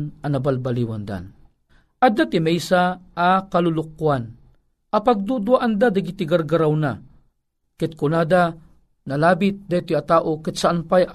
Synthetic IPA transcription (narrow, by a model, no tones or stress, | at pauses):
nanɐbalbaliwand̪a̰n | ʔad̪at̪ɪmɛjsaʔːkalulʊk̚ːuan | ʔapaɡ̚d̪ud̪uaʔand̪ad̪aɡit̪ɪɡaɾɡaɾawna | kɪt̪̚kʊnad̪a | nɐlaːbɪt̪̚d̪at̪ijat̪aːʔokɪt̪saʔanpaj